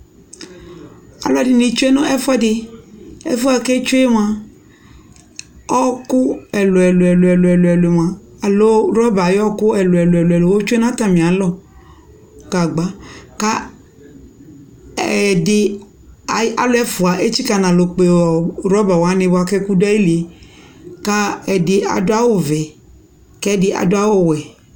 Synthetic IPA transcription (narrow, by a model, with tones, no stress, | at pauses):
a̰˨lo˦a˨dɪ˨nĩ˨t͡ʃo˦e˦nɔ̃˦ɛ˦fa˦dɪ˨ɛ̰˦fu˦a˨kɛ˦t͡ʃo˦e˦w̃a˨ | ɔ˦kʊ˦ɛ˨lo˨ɛ˨lo˨ɛ˨lɛ˨lo˨ɛ˨lo˨ɛ˨lʊ˨e˨w̃ã˨ | lo˦ɾɔ˦ba˨jɔ˦kʊ˦ɛ˨lo˨ɛ˨lo˨ɛ˨lɛ˨lo˨wo˦t͡ʃo˦e˦nã˦t̪a˨mĩ˨a˨˦lɔ˦˨ | ka˨ɡ͡ba˨ka˦ | ɛ˨dɪ˨ | a˨˦a̰˨lʊ˦ɛ˦fu˨a˨ʔe˦t͡ʃi˦ka˦nã˨lo˨k͡pe˨ɔ˨ɾɔ˦ba˨wa˨˦nẽ˦bo˦a˦kɛ˦ku˦dɛ˦i˦le˨ | ka˦ɛ˨dɪ˨a̰˨dʊ˦a˦wo˦vɛ˨ | kɛ˦dɪ˦ʔa̰˨dʊ˦a˦wo˦wɛ˨